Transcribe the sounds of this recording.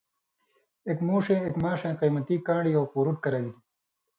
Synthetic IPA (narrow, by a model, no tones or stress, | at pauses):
ekmuːʂẽːekmaːʂẽːqiːmɐt̪ikãːɳɽiowquːɾuʈ̚kɐɾɐɡid̪i